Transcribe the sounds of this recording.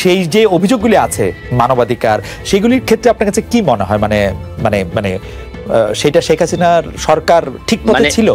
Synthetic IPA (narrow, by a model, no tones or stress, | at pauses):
ʃejd͡ʑeobʱid͡ʑoɡːuliat͡ɕʰemanobad̪ʱikaɾ | ʃeɡuliɾkʰet̪ːɾeap̚naɾkat͡ɕʰekimoneɦɔemanemanemane | ʃejʈaʃekʰasinaɾʃɔɾkaɾʈʰik̚pot̪et͡ɕʰilo